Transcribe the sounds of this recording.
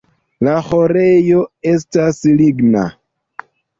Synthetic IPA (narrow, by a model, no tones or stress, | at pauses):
laho̞ɾe̞jo̞e̞stasliɡna̰